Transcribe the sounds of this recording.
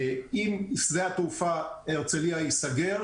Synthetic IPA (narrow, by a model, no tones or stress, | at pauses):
imszeat̪ufaeʁt͡seliajisaɡeʁ